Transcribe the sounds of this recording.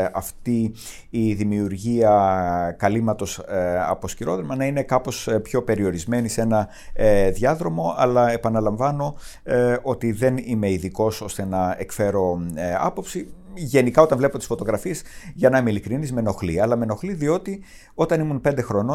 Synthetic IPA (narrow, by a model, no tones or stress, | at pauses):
ɐft̪iː | ðimiuɾʝiɐkɐlimɐt̪o̞sɐ̰po̞sciɾo̞ðɾemɐnɐine̞kɐpo̞spço̞pe̞ɾio̞ɾizme̞nise̞nɐ | ðʝɐðɾo̞mo̞ɐlɐe̞pɐnɐlɐɱvɐno̞ | o̞t̪iðe̞nime̞iðiko̞so̞st̪eenɐekfe̞ɾo̞ɐ̰po̞psi | ʝe̞nikɐo̞t̪ɐɱvle̞pot̪i̥sfo̞t̪o̞ɣɾɐfiezʝɐnɐmilikɾinizme̞no̞xliɐlɐme̞no̞xliðio̞t̪i | o̞t̪ɐnimunpe̞nd̪e̞xɾo̞no